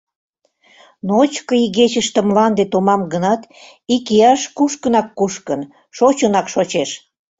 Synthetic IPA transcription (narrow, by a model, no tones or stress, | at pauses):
noot͡ɕkəiɣet͡ɕəʃt̪ə̆mlɑnd̪et̪omɑmɡənɑt̪ | ikijɑʃkuʃkə̆nɑkːuʃkən | ʃot͡ɕənɑkʃot͡ɕeʃ